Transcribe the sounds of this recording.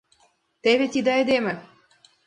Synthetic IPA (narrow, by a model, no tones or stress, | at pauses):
t̪eβet̪id̪ɑĕd̪emɘ̆